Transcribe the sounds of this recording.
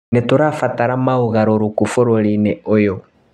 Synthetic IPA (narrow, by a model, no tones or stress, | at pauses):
netoɾafataɾamaoɣaɾoɾukufoɾoɾineojo